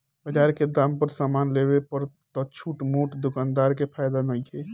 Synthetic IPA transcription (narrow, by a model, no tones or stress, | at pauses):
bəd͡ʒaɾked̪ampəɾsamanleβepəɾ | t̪ɔt͡ʃʰuʈmoʈd̪ʊkand̪aɾkepʰajd̪anəjt͡ʃʰɛ